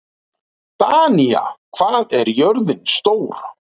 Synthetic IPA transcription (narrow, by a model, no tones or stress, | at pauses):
t̪aːnia̰kʰv̥aːðɛɾjœɾðɪnst̪oːwɾ̥